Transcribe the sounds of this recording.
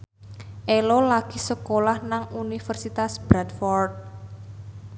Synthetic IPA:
ʔelolaɡ̥i̤səkolahnaŋunifərsit̪asb̥ɾat̪fɔrt̪̚

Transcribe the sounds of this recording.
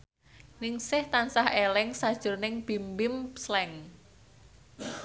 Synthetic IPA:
nɪŋsɪht̪ansahʔelɛŋsad̥ʒ̥ʊ̤rnɪŋb̥i̤mbɪmslɛŋ

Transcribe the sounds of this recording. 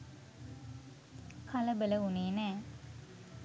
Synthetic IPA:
kʰaləbələuneːnæː

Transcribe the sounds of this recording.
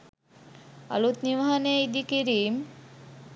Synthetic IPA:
a̰lut̪niʋaɦaneid̪ikiɾim

